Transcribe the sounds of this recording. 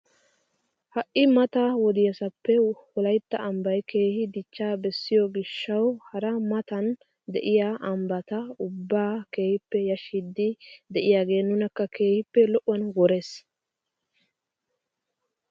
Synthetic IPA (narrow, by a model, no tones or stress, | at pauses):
hɐʔʔɪmɐt̪ɐwɔd̪ɪjɐsɐpːɛwɔlɐjt̪ːɐʔɐmbɐjkʰe̞ːhɪd̪ɪt͡ʃːaːbɛsːɪjɔɡɪʃːɐwhɐɾɐmɐt̪ɐn | d̪ɛ̰ʔɪjaʔɐmbɐt̪ɐʊbːaːke̞ːhɪpːɛjɐʃid̪ːɪd̪ɛʔɪjaːɡe̞ːnːʊnɐkːɐke̞ːhɪpːɛlɔʔʊwɐnɡɔɾe̞ːs